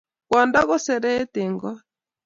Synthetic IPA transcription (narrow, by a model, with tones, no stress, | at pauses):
kwɔ˨nda˦ɣɔ˦sɛ˨ɾɛ˦te˨ŋɡɔ˦